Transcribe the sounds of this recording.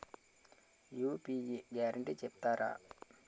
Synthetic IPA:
juːpiːjiɡaːɾɐɳʈit͡ʃɛpt̪aːɾa̰ː

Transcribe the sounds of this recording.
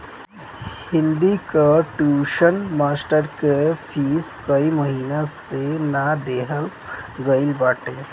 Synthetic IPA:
hɪ̃nd̪ikaʈjuːʃənmaːsʈəɾkepʰiːskəiməɦiːnasenad̪eːɦəl | ɡəɪlbaːʈeː

